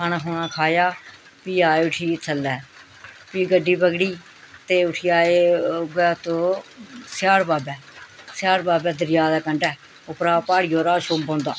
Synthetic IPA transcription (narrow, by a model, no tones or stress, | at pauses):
kʰanaːɦoːnãːkʰaːjaː | piːaːeːʊʈʰiːt͡ʃʰəlːɛː | piːɡəɖːiːbəɡɽiː | t̪eːʊʈʰiːaːeːɡɛːt̪õːsɪjaːɾbaːbɛːsjaːɾbaːbɛːd̪əɾɪjaːd̪ɛːkəɳɖɛː | ʊpɾaːpaːɽijoːɾaːʃoːmbõːnd̪a̰ː